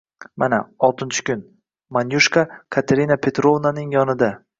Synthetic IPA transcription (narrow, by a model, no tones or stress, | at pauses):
mana̰ɒlˠt̪ʰɪnt͡ʃʰɪ̥kʲʊn | manjuʃkakʰat̪ʰeɾinapʰe̞t̪ɾovnanɪŋjɒnɪd̪a